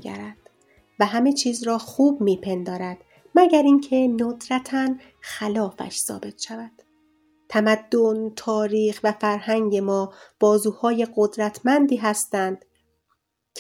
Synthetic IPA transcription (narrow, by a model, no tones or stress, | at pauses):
ɡæ̰ɾæd̪̥ | væɦæme̞t͡ʃʰiːzɾɒːxuːbmiːpʰe̞nd̪ɒːɾæd̪̥ | mæɟæɾiŋcʰe̞nod̪ɾæt̪ʰæn | xælɒːfæ̰ʃsɒ̰ːbe̞t̪ʰʃævæd̪̥ | t̪ʰæmæd̪ːont̪ʰɒːɾiːxvæfæɾhæŋɟe̞mɒːb̥ɒːzuːhɒːje̞ɢod̪ɾæt̪ʰmænd̪iːɦæst̪ænd̪̥